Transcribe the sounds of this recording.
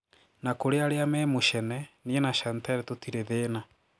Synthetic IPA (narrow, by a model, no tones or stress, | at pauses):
nakoɾeaɾeamɛmoʃɛnɛniɛnaʃantaɾɛtotiɾeðeːna